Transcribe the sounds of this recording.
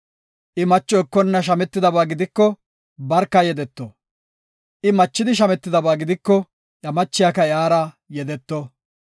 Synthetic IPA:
ʔɪmɐt͡ʃːɔɪkːɔnːɐʃ̬ɐmɛt̪ːɪd̪ɐbaːɡɪd̪ɪkːɔ | bɐɾkːɐjɛd̪ɛt̪ːɔ | ʔɪmɐt͡ʃːɪd̪ɪʃ̬ɐmɛt̪ːɪd̪ɐbaːɡɪd̪ɪkːɔ | ʔɐmɐt͡ʃːɪjakɐɪaːɾaː | jɛd̪ɛt̪ːɔ

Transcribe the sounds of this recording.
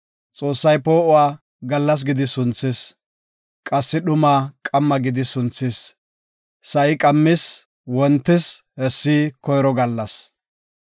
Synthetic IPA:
t͡sʼo̞ːsːɐjpo̞ːʔʊwaː | ɡɐlːɐs̬ɡɪd̪ɪsʊnt͡sːɪs | kʼɐsːɪɗʊmaːkʼɐmːɐɡɪd̪ɪsʊnt͡sːɪs | sɐʔɪkʼɐmːɪs | wɔnt̪ːɪshɛsːiːkɔjɾɔɡɐlːɐs

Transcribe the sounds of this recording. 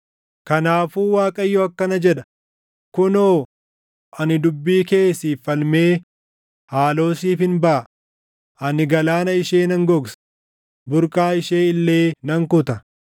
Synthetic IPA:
kɐnaːfuːwaːkʼɐjːɔɐkːɐnɐd͡ʒɛᶑɐ̥ | kʊnoː | ʔɐnɪd̪ʊbːiːke̞ːsiːfːɐlme̞ː | haːlo̞ːsiːfɪnbɐʔɐ | ʔɐnɪɡɐlaːnɐɪʃeːnɐŋɡɔɡsɐ̥ | bʊɾkʼaːɪʃe̞ːɪlːe̞ːnɐŋkʊt̪ɐ

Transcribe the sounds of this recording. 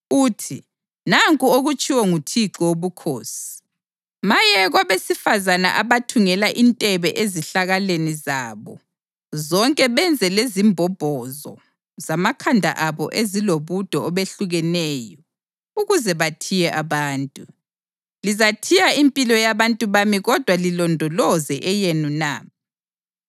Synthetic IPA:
uːtʰi | naŋkʼuoɣut͡ʃʼiwɔŋutʰiǁɔwoβukʰoːsi̥i̥ | majɛɣwaβesifazana̰ʔaβatʰuŋɛlaʔintʼɛβɛʔeziɬaɣalenizaːβɔ̰ | zɔŋkʼɛβɛnd͡zʱɛlezimbʱɔb̥ʱɔzɔ̰ | zamakʰandʱa̰ʔaβɔ̰ʔeziloβud̥ʱɔːβeɬuɣɛnɛːjɔ | uɣuzɛβatʰijɛʔaβaːntʼu | lizatʰijaimpʼilɔjaβantʼuβamiɣɔd̥ʱwalilɔndʱɔlɔzɛʔɛjenuna̰ː

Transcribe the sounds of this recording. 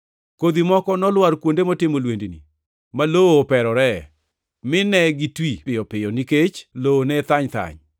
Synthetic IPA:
kod̪imɔkɔnɔlwaɾkwondemɔtɪmolwendinḭ | malooːpɛɾɔɾɛ | mɪnɛɡitwiɪjɔpɪjɔniket͡ʃloonɛt̪aɲt̪a̰ɲ

